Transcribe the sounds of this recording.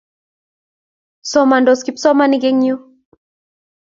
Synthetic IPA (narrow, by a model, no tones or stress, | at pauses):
sɔmandɔskipsɔmaniɡɛŋɲu